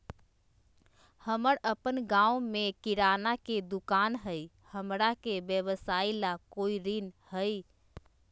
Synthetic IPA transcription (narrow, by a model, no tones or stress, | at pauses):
həməɾəpənɡãumekiɾanaked̪ukanɦəj | həmɾakebjəβəsailakoiɾinhəj